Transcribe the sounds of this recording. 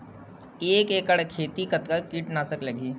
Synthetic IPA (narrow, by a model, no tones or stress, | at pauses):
eːkeːkəɽkʰeːt̪ikɐt̪kakiːʈnasəkləɡiː